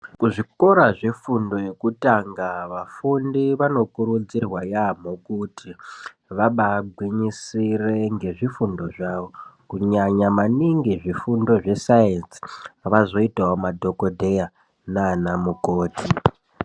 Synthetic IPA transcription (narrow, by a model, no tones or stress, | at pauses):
kuʐiko̞ɾaʐefundo̞je̞kutaŋɡaʋafundiʋano̞kuɾud͡zirwajam̤okutʰi | ʋaɓaɡʱwiɲisire̞ŋɡe̞ʐifundo̞ʐaʋo̞kuɲaɲamaniŋɡiʐifundo̞ʐe̞sajensi̥ʋazo̞itaomadʱo̞kodʱe̞ja | naːnamukoːtʰi